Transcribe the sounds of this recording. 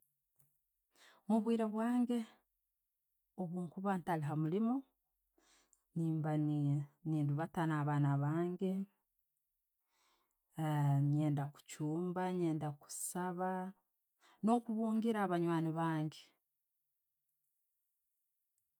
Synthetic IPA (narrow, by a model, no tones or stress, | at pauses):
muβwiːɾeβwaːŋɡe̞ | oβuːŋkuβaːntaliɦamulimo̞ | niːmbaniːnduβatanaβaːnaβaːŋɡe̞ | ɲe̞ːndaku̥cuːmbaɲe̞ːndaku̥saβa | no̞kuβuːŋɡiɾaːβaɲwaːniβaːŋɡe